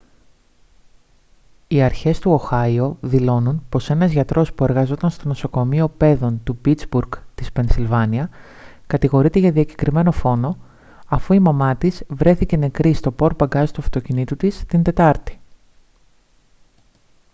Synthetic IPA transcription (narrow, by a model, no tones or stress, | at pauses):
iɐɾçe̞st̪uo̞xɐio̞ðilo̞nunpo̞se̞nɐzʝɐt̪ɾo̞spue̞ɾɣɐzo̞t̪ɐnst̪o̞no̞so̞ko̞mio̞pe̞ðo̞nt̪upit͡sbuɾɡt̪ispe̞nsilvɐniɐ | kɐt̪iɣo̞ɾit̪eʝɐðiɐci̥kɾime̞no̞fo̞no̞ | ɐfuimɐmɐt̪izvɾe̞θice̞ne̞kɾist̪o̞po̞ɾpɐɡɐzit̪uɐft̪o̞cinit̪ut̪ist̪ind̪e̞t̪ɐɾt̪i̥